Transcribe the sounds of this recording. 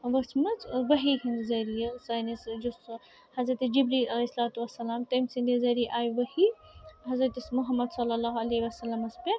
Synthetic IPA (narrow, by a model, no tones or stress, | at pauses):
ʋɐt͡ʃʰmɐt͡sʋɐɦikʰɐnd̪izɐɾijɐusanisd͡ʒus | hɐzɾɐt̪ed͡ʒibɾiɐlesɐlaːt̪uʋɐsːɐlaːmt̪ɐmsind̪izɐɾijʔaːjʋɐhi | ɦɐzɾɐt̪ismʊɦɐmːɐd̪sɐlːɐlːaːɦɐleːiʋɐsɐlːɐmɐspʲeɾ